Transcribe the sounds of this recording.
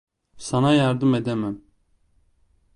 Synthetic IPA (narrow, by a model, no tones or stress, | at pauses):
sɑnɑjɑɾd̪ɯmed̪ɛmɛm